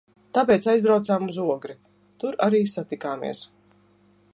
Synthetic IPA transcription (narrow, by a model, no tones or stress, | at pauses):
t̪ap̬ɛːt̪sajzbɾawt̪saːmuzuɔɡɾi | t̪uɾaɾiːsat̪ikaːmḭɛs